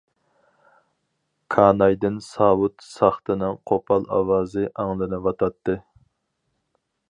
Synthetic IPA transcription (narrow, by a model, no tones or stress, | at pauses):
kʰɑːnɑjd̪ɨnsɑːwut̪sɑχt̪ɨnɨŋqʰopʰɑlˠɑ̰wɑːzɨʔɑŋlˠɨnɨvɑt̪ʰɑt̪ːɨ